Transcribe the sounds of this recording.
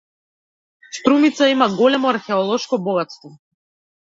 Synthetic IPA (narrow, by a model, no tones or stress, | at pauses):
st̪ɾumit̪saimaɡɔlɛmɔaɾxɛɔlˠɔʃkɔbɔɡat̪st̪vɔ